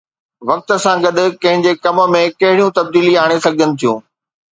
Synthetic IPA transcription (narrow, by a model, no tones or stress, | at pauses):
ʋɐk̚t̪ə̆sãɡɐd̪ʱʊ̆kɐ̃ɦɪ̃ɲd͡ʑekɐmə̆mẽkɐɦɪɽijũt̪ɐb̚d̪iːliaːɽ̃esɐɡʱənɪ̆t̪ʰijũː